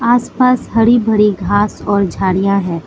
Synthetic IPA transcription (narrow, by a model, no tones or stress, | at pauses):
aːspaːsɦɐɾibʱɐɽiɡʱaːsɔːɾd͡ʒʱaːɽijãɦɛ̃ː